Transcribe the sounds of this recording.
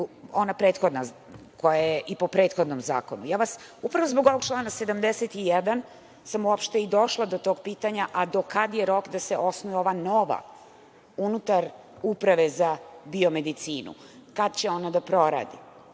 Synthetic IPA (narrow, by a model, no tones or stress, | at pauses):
o̞napɾe̞ːt̪xo̞d̪na | ko̞jajeʔipo̞pɾeːt̪xo̞d̪nomza̰ːko̞nṵjaːʋasupɾaʋo̞zbo̞ɡo̞ʋo̞ɡ̚t͡ʃlˠaːnased̪amd̪eset̪ijɛd̪an | samuopʃt̪eid̪o̞ʃlˠad̪o̞t̪o̞ːɡpiːt̪aɲaʔad̪o̞kad̪jeɾo̞kd̪aseʔo̞snoʋio̞ʋanoʋa̰ | unut̪aɾ | upɾaʋe̞zabio̞med̪it̪siːnṵ | kad̪t͡ɕe̞o̞nad̪apɾo̞ɾa̰ːd̪i